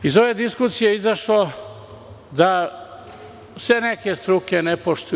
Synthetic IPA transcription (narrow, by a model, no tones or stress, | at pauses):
izo̞ʋe̞d̪iskusijeizaʃlo | d̪a | sʋeneke̞st̪ɾukenepoʃt̪u